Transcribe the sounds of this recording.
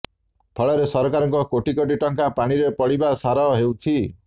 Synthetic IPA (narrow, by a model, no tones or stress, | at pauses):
pʰʌɭʌɾesʌɾkaɾʌŋkokoʈikoʈ̬iʈʌŋkapaɽ̃iɾepʌɽibasaɾʌɦewt͡sʰi